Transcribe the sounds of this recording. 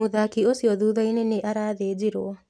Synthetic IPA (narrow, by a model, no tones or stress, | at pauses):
uðakiosiɔðuːðaineneʔaɾaðeːd͡ʒiɾoɔ